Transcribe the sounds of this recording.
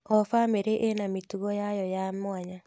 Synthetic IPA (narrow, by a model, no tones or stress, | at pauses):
ɔfameɾeʔenamituɣɔjajɔjamwaɲa